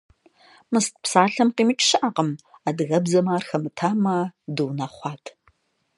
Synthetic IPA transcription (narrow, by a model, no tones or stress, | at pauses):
mɨstʰʼpsaːɬɐmqiːmɨt͡ʃʼʃɨʔɐqəmaːdɨɣɐbzɐmaːrxɐmɨtʰaːmɐduːnɐχʷɑːtʰ